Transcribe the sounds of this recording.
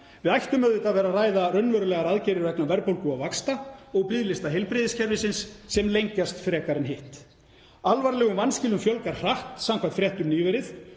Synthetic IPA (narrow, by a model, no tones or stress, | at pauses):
vɪðajht̪ʏmœðɪt̪aðvɛːɾaraːjðarœnːvœɾʏlɛɣaɾaðcɪɾɪɾvɛknavɛɾpowlkʏaðvakst̪aɔɣpɪðlɪst̪aɦejlpɾɪðɪscʰɛɾvɪsɪnsːɛmlejɲcast̪fɾɛːkaɾɪnɦɪht̪ | alvaɾlɛɣʏmvanscɪːlʏmfjœlkaɾ̥r̥aht̪samkʰant̪fɾjɛht̪ʏmniːvɛɾɪθ